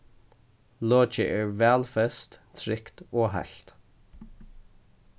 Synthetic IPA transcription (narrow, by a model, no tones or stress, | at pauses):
loːt͡ʃəʔɛɹvɛːlfɛst̪t̪ʰɾɪkt̪ɔːɦa̰ɬt̪